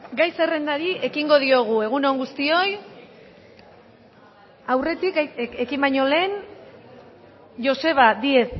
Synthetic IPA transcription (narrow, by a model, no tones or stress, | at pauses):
ɡajse̞re̞nd̪aɾiʔe̞kiŋɡo̞ð̞io̞ɣ̞ue̞ɣ̞uno̞ŋɡust̪io̞j | awre̞t̪ike̞kimbajɲo̞le̞ːn | ʝo̞se̞β̞ad̪ieð